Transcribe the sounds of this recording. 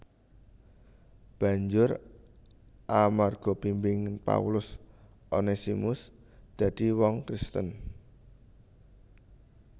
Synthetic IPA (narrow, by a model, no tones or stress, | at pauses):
b̥ä̤ɲd͡ʒʊr | ʔamarɡ̥ɔ̤pimbɪŋpa̰ulʊs | ʔonesimʊs | d̪̥a̤d̪̥i̤wɔŋkɾist̪ən